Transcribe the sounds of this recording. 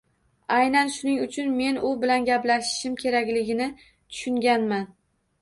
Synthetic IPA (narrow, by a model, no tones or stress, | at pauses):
ajnanʃʊnɪŋʊt͡ʃʰʊnme̞nʊbɪlanɡʲaplaʃɪ̥ʃɪmkʲʰe̞ɾakʲlɪɡʲɪnɪ | t̪ʰʊ̥ʃʊŋɡʲanman